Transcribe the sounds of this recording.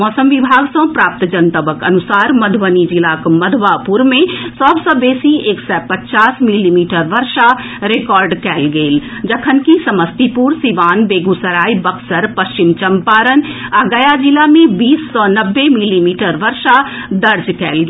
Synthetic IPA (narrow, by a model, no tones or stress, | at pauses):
mɔːsəmʋibʱaːɡsə̃pɾaːp̚t̪d͡ʒənt̪əbəkənusaːɾməd̪ʱʋənid͡ʒilakməd̪ʱʋapuɾmẽsɔbsɔ̃beːsieːksɛpətːt͡ʃaːsmilimiːʈəɾʋəɾʃa | ɾekɔːɾɖkɛːlɡeːl | d͡ʒəkʰənkisəməst̪ipuɾsiʋaːnbeɡusəɾaːjbəksəɾpəst͡ʃimt͡ʃəmpaɾənaɡəjad͡ʒilamẽbiːsːɔnəbːemilimiʈəɾʋəɾʃad̪əɾd͡ʒkɛːlɡe